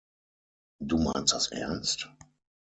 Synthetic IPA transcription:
duːmaɪnstd̥asʔɛ̰ɐnst

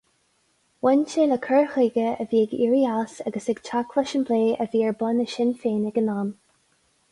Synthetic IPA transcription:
wɛnt͡ʃeləkʰɜɹxiɡəəviːəɡḭːɹiasaɡəsɪɡ̥t͡ʃʰakʰləʃənbleːəviːəɹbʊnəʃɪnfeːnəɡənaːm

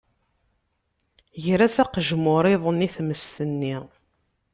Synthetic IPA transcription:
ʝɾæsæqʒmʊɾˤɪðˤəniθməst̪ənːi

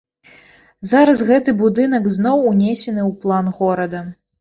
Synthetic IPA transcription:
zaɾɐsɣɛt̪ɨbud̪ɨnɐkznɔwunʲesʲɛnɨwplˠanɣɔɾɐd̪ɐ

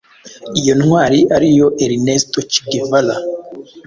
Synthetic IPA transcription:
ijo̞nŋwaːɾiʔaɾijo̞ʔeɾinestot͡ʃi̥ɡevala

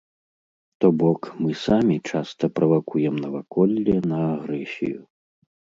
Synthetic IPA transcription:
t̪ɔbɔkmɨsamʲit͡ʂast̪ɐpɾɐvakujɛmnɐvakʰɔlʲːɛnɐːɣɾɛsʲḭju

